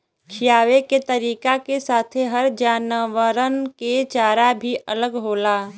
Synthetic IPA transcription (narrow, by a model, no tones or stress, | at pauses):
kʰijaːʋeket̪əɾiːkakesaːt̪ʰeɦəɾd͡ʒaːnʋəɾənket͡ʃaːɾabʱiɐləɡɦoːlaː